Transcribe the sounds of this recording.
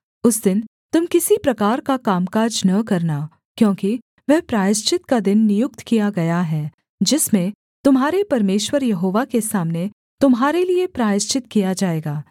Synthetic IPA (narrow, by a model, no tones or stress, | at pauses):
ʊsd̪ɪn | t̪ʊmkɪsipɾɐkaːɾkakaːmkaːd͡ʒnɐkɐɾna | kjõːki | ʋɛɦpɾaːjɪʃt͡ʃɪt̪kad̪ɪnːɪjʊk̚t̪kijaɡɐjaɦɛː | d͡ʒɪsmẽ | t̪ʊmɦaːɾepɐɾmeːʃwəɾjɐɦoːʋakesaːmne | t̪ʊmɦaːɾeliepɾaːjɪʃt͡ʃɪt̪kijad͡ʒaːeːɡaː